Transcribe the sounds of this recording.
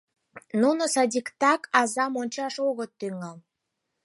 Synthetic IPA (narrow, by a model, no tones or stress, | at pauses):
nunosɑdʲikt̪ɑkɑzɑmonʲt͡ɕɑʃoɣət̪ːyŋɑl